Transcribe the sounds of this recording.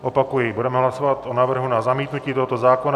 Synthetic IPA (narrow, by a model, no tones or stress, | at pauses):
ʔo̞pakujɪbudɛmɛɦlaso̞vat̪ʔonaːvr̩ɦunazamiːt̪nuciːt̪oɦot̪o̞zaːko̞na